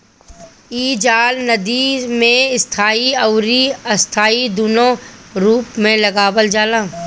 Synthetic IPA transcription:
iːd͡ʒaːlnɐd̪imẽɪst̪ʰaːiɐʊɾiɐst̪ʰaːid̪unõɾuːpmẽlɐɡaːbəld͡ʒaːlãː

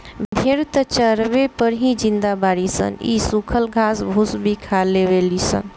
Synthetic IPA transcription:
bbʱeɾt̪ət͡ʃəɾbepəɾɦĩd͡ʒĩnd̪abaɾisə̰nḭsukʰəlɡʱasbʱusbʱikʰalːeβelisə̰n

